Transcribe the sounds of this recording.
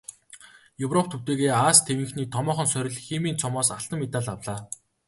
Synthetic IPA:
jɵwrɔp̚ʰt̪ʰuwt̪eːɣeːaːst̪ʰewɘ̆ŋxniːt̪ʰɔmɔːχɞ̆nsœɾʲɪ̆ɮxemiːnt͡sʰɔmɔːsaɬt̪ə̆mːet̪aːɮawɮaː

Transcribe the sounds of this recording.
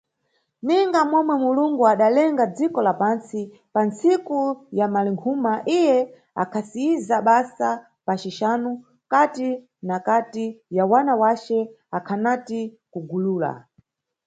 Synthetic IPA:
niŋɡamwɛmwɛmuluŋɡuaɗalɛŋɡad͡zikɔlapansi | pant͡sikujamaliŋkʰumaʔijɛ | a̰kʰasiizaɓasa | pat͡ʃiʃanu | kati | nakatijawanawat͡ʃɛ | akʰanati | kuɡuluːla̰

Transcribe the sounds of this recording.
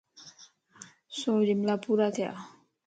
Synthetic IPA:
soɾimlapuɾat̪ʰja̰

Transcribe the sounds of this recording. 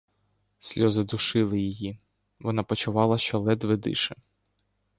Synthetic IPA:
sʲlʲɔzɪd̪ʊʃɪlˠɪjɪji | ʋɔnɑpɔt͡ʃʊʋɑlˠɐʃt͡ʃɔlˠɛd̪ʋɪd̪ɪ̰ʃɛ

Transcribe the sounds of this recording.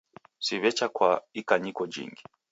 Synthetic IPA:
siβɛt͡ʃakwaikaɲikɔd͡ʒḭŋɡi

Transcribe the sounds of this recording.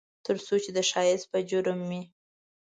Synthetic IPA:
t̪əɾsot͡ʃed̪əʃɑjɪst̪̚pəd͡ʒʊɾmːi

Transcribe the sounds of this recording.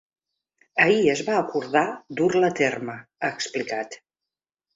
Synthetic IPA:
əiəzβaəkuɾðad̪uɾlət̪erməaːksplikat̪

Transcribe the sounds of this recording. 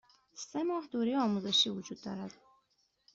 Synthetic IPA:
semɒːhd̪uɾiɒːmuzeʃiːvud͡ʒuːd̪ːɒːɾæd̪̥

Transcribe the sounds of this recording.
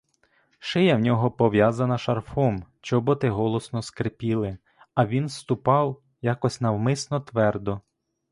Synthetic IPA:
ʃɪjɐwnʲɔɦɔpɔʋjazɐnɐʃɐrfɔmt͡ʃɔbɔt̪ɪɦɔlˠɔsnɔskɾepʲilˠɪ | ɐʋʲinst̪ʊpɑw | jakɔsʲnɐwmɪsnɔt̪ʋɛrd̪ɔ

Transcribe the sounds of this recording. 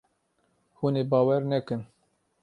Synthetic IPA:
huːneːbɑːwɛɾnɛkɨn

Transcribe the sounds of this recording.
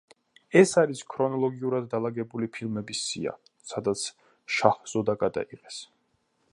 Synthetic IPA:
ɛsaɾiskʰɾɔnɔlˠɔɡiuɾad̪ːalˠaɡɛbulipʰilˠmɛbisːḭa̰ | sad̪at̪sʰ | ʃaχz̥ɔd̪aɡad̪a̰iqɛs

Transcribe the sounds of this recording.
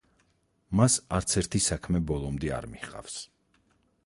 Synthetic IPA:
masaɾt̪sʰɛɾt̪ʰisakʰmɛbɔlˠɔmd̪ia̰ɾmiχqʼa̰fs

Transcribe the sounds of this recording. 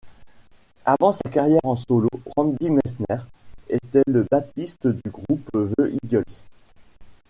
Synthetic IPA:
avɑ̃sakaʁjɛʁɑ̃sɔlo̰ʁɑ̃d̪imɛsnɛʁḛt̪ɛləbat̪ist̪əd̪yɡʁupvøʔid̪jɔls

